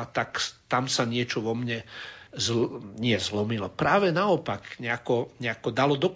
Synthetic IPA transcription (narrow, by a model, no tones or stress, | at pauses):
t̪akt̪amsaɲɪɛt͡ʃɔʋɔmɲɛzɲɪɛzlɔmilɔpɾaːʋɛnaɔpakɲɛakɔɲɛakɔd̪alɔd̪ɔk